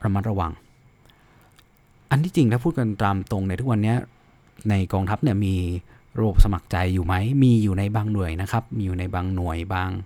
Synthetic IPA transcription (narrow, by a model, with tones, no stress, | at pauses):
ɾa˧ma˦˥t̪̚ɾa˧wa˨˩ŋ | ʔa˧nt̪ʰiː˥˩t͡ɕi˧ŋʰaː˥˩pʰuː˥˩ka˧nt̪aː˧mt̪o˧ŋni˧˩t̪ʰu˥kwa˧nːi˦˥ɐ | na˧jkɔː˧ŋt̪ʰa˦˥p̚ni˥˩ɐmiː˧ | ɾa˧bo˨˩p̚sa˧ma˨˩k̚t͡ɕa˧jːuː˨˩ma˦˥jmiː˧juː˨˩na˧jbaː˧ŋnu˨˩əjna˦˥kʰa˦˥p̚miː˧juː˨˩na˧jbaː˧ŋnu˨˩əjbaː˧˩ŋ